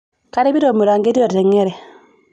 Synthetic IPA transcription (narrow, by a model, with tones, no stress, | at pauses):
ka˦ɾi˦bi˦ɾo˨mu˨ɾa˨ŋɡe˦ɾi˦o˨tɛ˨ŋːe˦ɾe˨